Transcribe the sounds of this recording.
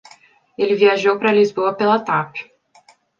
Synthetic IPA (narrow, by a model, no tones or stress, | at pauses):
elɪviaʒowpɾɐlizboɐpelat̪apɪ̥